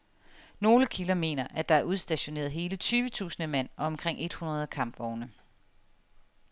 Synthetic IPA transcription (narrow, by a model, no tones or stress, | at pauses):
no̝ːləkʰilɐme̝̰ːnɐʔæd̥ɑ̈æɐuðˠsd̥æɕo̝ne̝̰ːɐð̞̩ˠɦe̝ːlət͡sʰyːʋət͡sʰṵːsn̩əmen̰ɒ̽ɒ̽mkʰʁeŋ̰ʔe̝d̥hunɐð̞̩ˠkʰɑ̈m̰b̥ʋɒʊnə